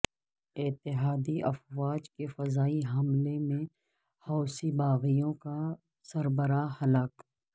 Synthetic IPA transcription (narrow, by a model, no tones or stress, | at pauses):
ɪt̪ɪɦaːd̪iɐfwaːd͡ʒkefɐzaːiɦɐmlemẽ | hɔːsibaːɣijõka | sɐɾbəɾahɐlaːk